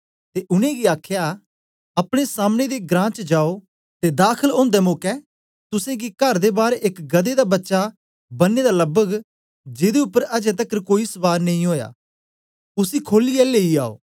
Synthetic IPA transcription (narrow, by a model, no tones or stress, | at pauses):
t̪eʔʊnẽɡiaːkʰja | ɐpɽ̃esaːmned̪eɡɾãːt͡ʃd͡ʒaːo | t̪ed̪aːkʰəlõːnd̪ɛmoːkɛː | t̪ʊsẽɡikɐɾd̪ebaːɾekɡɐd̪ed̪abɐtːʃa | bɐnːed̪aləbəɡ | d͡ʒed̪eʊpːəɾɐd͡ʒet̪̬əkːəɾkoːisʋaːɾnɐĩɦoːja̰ː | ʊsikʰoːliɛleːiaːo̰ː